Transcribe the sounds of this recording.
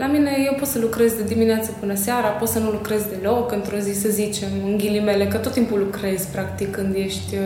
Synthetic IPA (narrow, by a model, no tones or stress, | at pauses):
lamine̞je̞wpo̞t̪səlukɾe̞zd̪ed̪imineat̪səpɨnəseaɾapo̞t̪sənulukɾe̞zd̪e̞lo̞kɨnt̪ɾo̞zisəzit͡ʃe̞mɨŋɡʲilime̞le̞kət̪ot̪ːimpulukɾe̞zʲpɾakt̪ikːɨnd̪je̞ʃt̪ʲ